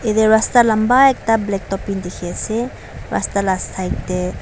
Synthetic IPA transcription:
ed̪eɾast̪alambaɛk̚t̪ablɛk̚t̪ɔpind̪ikʰese | ɾa̰st̪alast̪ʰajk̚t̪e

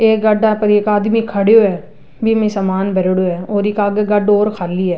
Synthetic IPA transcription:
eːɡɐɖapɐɾeːkaːd̪mikʰɐɽjoɦɛː | bʱimẽsɐmaːnbɛɾeɽoɦɛːɔːɾɪkaːɡeɡɐɖoːɾkʰaːliɦɛː

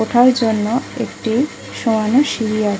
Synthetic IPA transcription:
oʈʰaɾd͡ʑonːoḛkʈi | ʃoanoʃiɾia

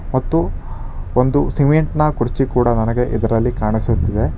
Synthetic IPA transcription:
mɐt̪ːu | ond̪usimeɳʈnɐkuɾt͡ʃikuːɽɐnɐnɐɡe̞ʔid̪ɐɾɐlːikaːɳisut̪ːid̪e̞

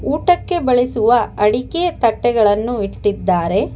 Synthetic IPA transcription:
uːʈɐkːe̞bɐɭisuʋɐɐɽiket̪ɐʈːɛɡɐɭɐnːuiʈːid̪ːaːɾe̞

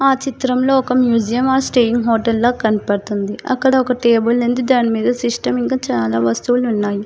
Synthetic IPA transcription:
aːt͡ʃit̪ɾɐmlo̞ːɔkɐmjuːd͡ʒijɐmaːɾsʈeːjiŋɡɦoːʈɐlːoːkɐnipɐɽt̪und̪iɐ̰kːɐɽɐɔkɐʈeːbulnend̪ud̪aːnimiːd̪ɐsiʂʈɐmiŋkaːt͡ʃaːlaːʋɐst̪uʋlunːaːji

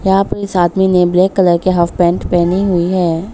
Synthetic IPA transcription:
jɐɦãːpəɾɪsaːd̪minebleːkːɐləɾkeɦaːfpɛ̃ːɳʈpɛːniɦʊiɦɛː

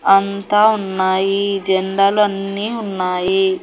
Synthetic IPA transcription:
ɐnt̪aːunːaːjid͡ʒɛɳɖaːluɐnːiːunːaːji

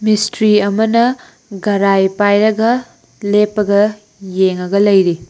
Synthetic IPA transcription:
mistɾiɐmɐnɐ | ɡɐɾajpajɾɐɡɐ | lepːɐɡɐ | jeŋɐɡɐlɐjɾi

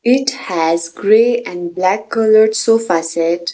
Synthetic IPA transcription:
ɪʈhæzɡɾeːɛ̃ɳɖblækːʌləɾɖsofasɛʈ

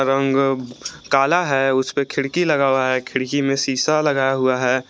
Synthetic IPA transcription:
ɾə̃ŋɡ | kaːlaɦɛʊspekʰɪɽkilɐɡaːwaɦɛkʰɪɽkimẽsiːsalɐɡaːjaɦʊaɦɛː

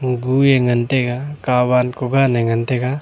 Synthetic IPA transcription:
ɡujeŋənt̪eɡakabankɔɡanɛŋənt̪ɛɡa

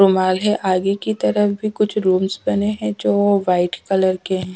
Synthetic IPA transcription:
ɾʊmaːlɦɛʔaːɡekit̪ɐɾəfbʱikʊt͡ʃʰɾuːmsbɐneɦɛ̃d͡ʒoːʋaːɪʈkɐləɾkeɦɛ̃ː

